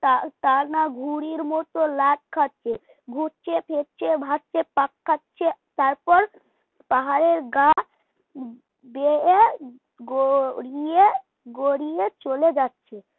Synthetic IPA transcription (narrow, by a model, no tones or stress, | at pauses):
t̪at̪anaɡʱuɽiɾmɔt̪olat̚kʰatːt͡ʃʰe | ɡʱuʈt͡ɕʰepʰet̚t͡ɕʰebʱaʈt͡ʃʰepakʰːatːt͡ɕʰet̪aɾpɔɾ | paɦaɾeɾɡa | bee | ɡoɾie | ɡoɾiet͡ɕoled͡ʑatːɕʰe